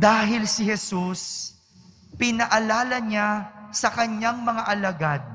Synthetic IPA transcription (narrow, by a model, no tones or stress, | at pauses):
d̪aːɦɪlsɪhɛsus | pɪnɐʔɐlaːlɐɲasɐkɐɲaŋmɐŋaʔɐlɐɡad̪̚